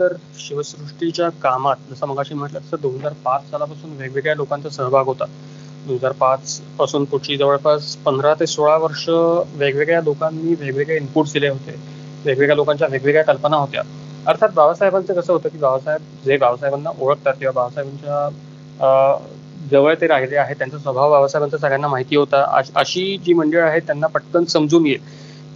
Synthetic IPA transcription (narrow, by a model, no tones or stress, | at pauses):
t̪əɾ | ɕiʋəsɾuʂʈit͡ɕjakamat̪̚d͡zəsəm̤əɡaɕiːm̤əʈlat̪əsəd̪onɦəd͡zaɾpat͡ssalapasuːnʋeɡʋeɡɭjalokant͡səsə̃ɦbʱaɡʱɦot̪a | d̪onɦəd͡zaɾpat͡spasuːnput͡ɕʰiːd͡zəʋəɭpaspənd̪ɾat̪esoɭaʋəɾʂəʋeɡʋeɡɭjalokanːiːʋeɡʋeɡɭeimpuːɾʈsd̪ileɦot̪ḛ | ʋeɡʋeɡɭjalokãɲt͡ɕjaʋeɡʋeɡɭjakəlpənaɦot̪ja̰ | əɾt̪ʰat̪bʱaʋsaɦjbant͡səkəsəːɦot̪əːkiːʋjaʋsajəb̚ | d͡zeʋjaʋsajbanːaʔoɭək̚t̪at̪̚kĩw̃ʋabʱaʋsajbaɲt͡ɕja | d͡zəʋəɭt̪eɾaɦileaɦet̪ːjant͡sasʋəbʱaʋʋaʋsajbant͡sas̬aɡʱɭjanːamaɦit̪iːɦot̪aə̰əɕiːd͡ʑiːməɳɖəɭaɦet̪ːjanːapəʈkənsəmd͡zuːnje